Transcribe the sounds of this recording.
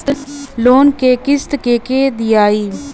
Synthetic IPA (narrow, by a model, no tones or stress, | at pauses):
t̪loːnkeːkɪst̪keːkeːd̪ɪjaːiː